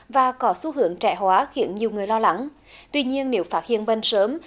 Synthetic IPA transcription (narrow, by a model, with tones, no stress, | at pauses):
vaː˨˩kɔ˨˦su˨˧˦ɦɨ˨˧˥əŋt͡ɕɛ̰˧˩hwaː˨˦xḭ˧˥ənɲi˨˩əwŋ͡mŋɨ˨˩əjlɔ˧la˨˦ŋ | t̪wi˧ɲi˧ənːe˨˦wfaː˦˥t̚hḭ˧˨ənɓə˧nsəː˨˦m